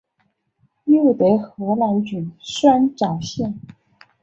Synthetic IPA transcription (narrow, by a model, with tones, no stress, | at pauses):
jo˥˩ʊt̪e˧˩ɪxɤ˧˥la˧˥nt͡ɕy˨˩nʂwa˥nʈ͡ʂɑ˨˩ʊɕjɛ˥˩n